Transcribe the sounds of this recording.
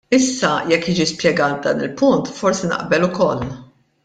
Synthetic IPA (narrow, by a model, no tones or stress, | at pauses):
ɪsːɐjɛkːiːd͡ʒispjɛɡɐːt̪̚bd̪ɐːnɪ̰lpʊnt̪fɔɾsinɐ̰ʔbɛlʊkɔl